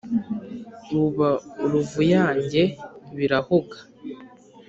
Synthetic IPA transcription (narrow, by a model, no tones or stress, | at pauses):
ɾuβauɾuvujaːɲɟe̞βiɾahuɡḁ